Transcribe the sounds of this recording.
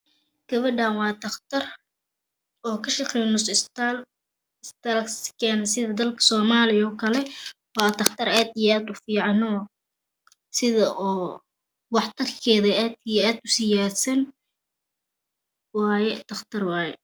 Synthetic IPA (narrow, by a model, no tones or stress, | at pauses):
ɡ̥ɐβɐɖaːnwɑːt̪ʰɐχt̪ʰɐr | ɔːkʰɐʃɐqɛjnʊsɪst̪al | ɪst̪ɐlskʰɛːnɐsɪðɐd̪ɐlkʰɐ̥sɔːmaːlɪjɔːkʰɐlɛ | wɑːt̪ʰɐχt̪ʰɐɾaːd̪ɪjaːd̪ʊfiːʕɑnɔː | sɪðɐʔɔː | wɑħt̪ʰɐrkʰɛːðɐaːd̪ijaːd̪ʊsɪjaːsɐn | wɑːjɛt̪ʰɐχt̪ʰɐrwɑːjɛ